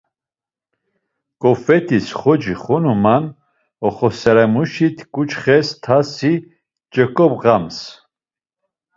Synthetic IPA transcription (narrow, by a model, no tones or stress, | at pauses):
kʼɔfɛt̪ʰisχɔd͡ʒiχɔnuman | ɔχɔsɛɾɛmuʃit̪ʰkʼut͡ʃχɛst̪ʰasi | d͡ʒʼɛkʼɔbʁams